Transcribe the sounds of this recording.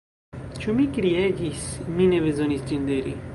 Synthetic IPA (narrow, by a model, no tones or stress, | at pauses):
t͡ʃumikɾieɡismineβezonisd͡ʒind̪eɾi